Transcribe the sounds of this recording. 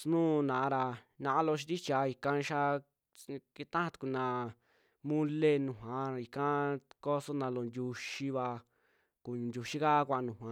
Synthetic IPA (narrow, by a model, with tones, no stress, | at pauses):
snũː˦˨˧nã˨ʔɾa˧ | nã˧ʔã˦lo˧ʃ̬i˧t̪i˦t͡ʃa˧i˧kã˧ʃa˦ | ki˧t̪ã˦ã˧t̪u̥˧ku˧˨nã˧ | mũ˦le˦nũ˨ɦã˧˦i˧kã˦ko˦so˦nã˧lo˨nd̪ʲu˧ʃi˧βa˧ | ku˨nd̪ʲu˧ʃi˦ka˦˧kʷa˧ʔnũ˨ɦã˧